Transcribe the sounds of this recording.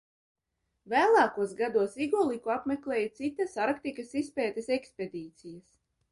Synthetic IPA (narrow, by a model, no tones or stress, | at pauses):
væːlˠaːkuɔsɡad̪uɔsiɡɔlˠikuapmʲeklʲˠɛːjat̪sit̪asaɾkt̪ikasispɛːt̪eseksped̪iːt̪sijas